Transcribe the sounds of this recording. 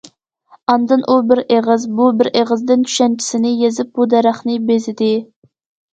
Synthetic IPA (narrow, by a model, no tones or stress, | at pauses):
ɑnd̪ɨnʔubɪɾʔeʁɨzbubɪɾʔeʁəzd̪ɪnt͡ʃʰy̥ʃɛnt͡ʃʰi̥sɪnɪjezɪp̚bud̪ɛɾæχnɨbezɪd̪ɪ